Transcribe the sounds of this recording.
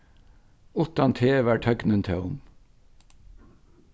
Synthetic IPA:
ʊt̪ɑnt̪ʰeːʋæːʈʰœɡnənt̪ʰḛːʊm

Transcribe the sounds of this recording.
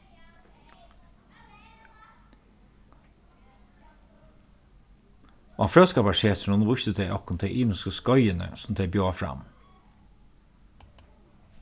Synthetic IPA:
ɑ̰ːfɾøːskɑːpɑʃeːt̪ʰɳɔnʋʊçt̪əd̪eɪʔɔkʊnt̪ʰeʔiːmskəskɔʏənə̰sɔm̩d̪ebjoːfɾɑ̰m

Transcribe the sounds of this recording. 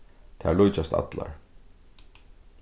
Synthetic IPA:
t̪ʰalujt͡ɕast̪a̰t̪la̰ɾ̥

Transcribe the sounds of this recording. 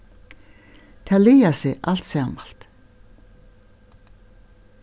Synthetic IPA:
t̪ʰalɪjasɪʔal̥t̪sjaːmal̥t̪

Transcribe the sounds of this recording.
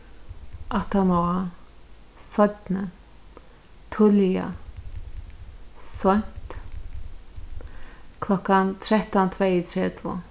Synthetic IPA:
ʔat̪anɔa | sɔt̪nə | t̪ʰʊlia̰ | sɔn̥t̪ | kʰlɔkːant̪ʰɾɛht̪ɔnt̪ʰvɛɪt̪ʰɾɛːt̪ʰvo̰

